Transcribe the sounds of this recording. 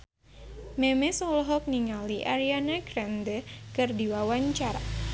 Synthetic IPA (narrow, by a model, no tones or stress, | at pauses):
memesɔlɦɔk̚niŋaliʔaɾianaɡɾɛnd̪əkɨrdiwawaɲt͡ʃaɾa